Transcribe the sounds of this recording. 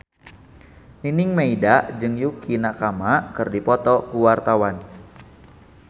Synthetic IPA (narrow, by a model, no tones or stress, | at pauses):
ninɪŋmeidad͡ʒɨŋjukʰinakamakɨrdipɔt̪ɔkuwart̪awan